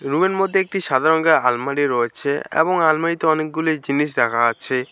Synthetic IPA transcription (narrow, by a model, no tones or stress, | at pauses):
ɾumeɾmod̪ʱːeek̚ʈiʃad̪ʱaɾoŋɡealmaɖiɾoet͡ɕʰeḛboŋalmait̪oɔnek̚ɡulid͡ʑiniʃ̬ɖakʰaat͡ɕʰe